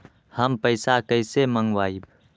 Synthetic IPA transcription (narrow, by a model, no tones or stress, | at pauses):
həmpəɪsakəɪseməŋɡwaːib